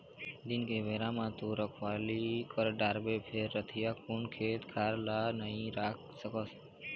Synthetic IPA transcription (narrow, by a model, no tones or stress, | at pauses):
d̪ɪnkeʋeːɾãmãt̪uɾəkʰʋaːlikəɾɖaːɾbepʰeɾːət̪ʰijakunkʰeːt̪kʰaːɾlanəɦĩɾaːk̚ʰ | səkəs